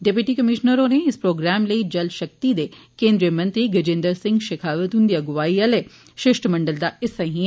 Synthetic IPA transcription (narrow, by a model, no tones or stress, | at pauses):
ɖepjuʈikɐmɪʃnəɾõneɪspɾoːɡɾaːmlɐid͡ʒɐlʃɐk̚t̪id̪eːkẽːnd̪ɾijəmɐ̃nt̪ɾiɡɐd͡ʒẽːnd̪əɾsɪ̃ŋɡʃɪkʰaːʋət̪ɦũnd̪iɐɡʊʋaːiɐle | ʃɪʃʈmɐ̃ɳɖəld̪aɪsɐ̃ɦĩ